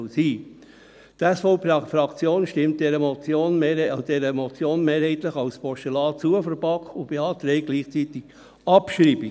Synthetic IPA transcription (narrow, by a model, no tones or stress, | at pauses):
siː | t̪ɛsfɔpfɾɑkt͡sjoːnʃtɪmt̚dɛɾəmɔt͡sjoːnd̥ɛɾəmɔt͡sjoːnmeːɾhɛɪtləχɑwspɔʃəlɑːt͡suəfəɾbɑkʊb̥eɑːt̪ɾɛɪɡ̥liːχt͡sit̪ɪɡ̥ | ɑpʃɾiːbi